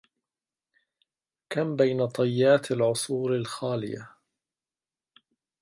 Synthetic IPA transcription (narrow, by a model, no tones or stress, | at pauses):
kambajnat̪ˤɑjːaːt̪alʕʊsˤuːɾalxaːlɪ̰ja̰